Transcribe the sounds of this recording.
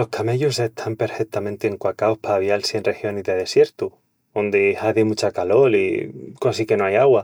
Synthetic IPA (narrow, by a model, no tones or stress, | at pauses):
o̞hkʰame̞ʎoseht̪ʰampe̞ɾfek̚t̪amẽnt̪eːŋkwakaohpaːβjalsjenre̞xjo̞nizðe̞ðe̞sje̞ɾt̪u | ond̪ehaðemut͡ʃakalo̞likosike̞noajaɣwa